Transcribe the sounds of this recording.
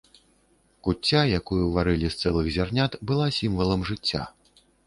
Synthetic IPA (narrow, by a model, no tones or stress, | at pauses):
kut͡st͡sʲːajakujuvaɾɨlʲist̪sɛlˠɨɣzʲarnʲat̪bɨlˠasʲimvɐlˠɐmʐɨt͡sʲːa̰